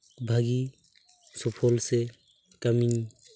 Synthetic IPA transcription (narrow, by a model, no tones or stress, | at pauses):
bʱaɡi | sɔpʰɔlse | kamiɲ